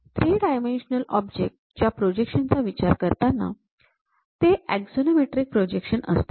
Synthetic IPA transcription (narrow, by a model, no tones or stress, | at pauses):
t̪ɾiːɽajmenɕnəlɔbd͡ʑek̚ʈd͡ʑjapɾod͡ʑekʂənt͡saʋit͡ɕaɾkəɾt̪anːa̰ | t̪eæɡsonemeʈɾiːk̚pɾod͡ʑekʂənə̰st̪e̥